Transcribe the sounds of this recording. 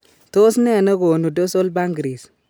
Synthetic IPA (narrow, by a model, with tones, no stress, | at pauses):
to˦snɛ˦˨nɐ˦ɡoː˨nu˨do˦so˦lba˦ŋɡɾi˨s